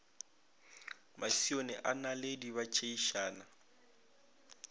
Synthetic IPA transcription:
masionɛʔanalediβat͡ʃʰʼeiʃaːna

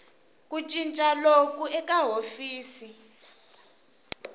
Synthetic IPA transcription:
kʼut͡ʃʼint͡ʃʼalok̬ʼuɛk̬ʼaɦofiːsi

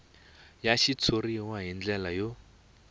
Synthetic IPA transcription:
jaʃit͡sʰoriwaɦind͡ɮɛlajo

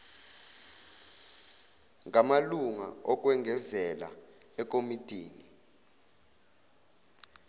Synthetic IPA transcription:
ŋamaluŋaɔk̬ʼwɛŋʱɛzɛla̰ | ɛkʼomitʼiːni

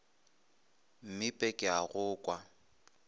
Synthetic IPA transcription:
m̩mɪpʼɛkʼɪaɣʊːkʼwa

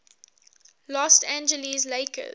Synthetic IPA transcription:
lɔstæ̃nd͡ʒəlizleɪkə̰

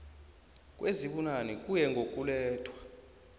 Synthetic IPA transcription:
kʼweziɓunanikʼujɛŋɡʱokʼulɛːtʰwḁ

